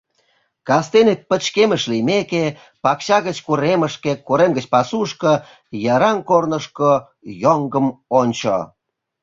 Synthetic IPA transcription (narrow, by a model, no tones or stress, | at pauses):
kɑst̪enek̪̚pə̆t͡ɕkemə̆ʃlijmeke | pɑkɕɑɣə̆t͡ɕkuɾemə̆ʃkekuɾemɡət͡ɕpɑsuʃkə | jɑɾɑnkornəʃko | joŋɡəmonʲt͡ɕo̰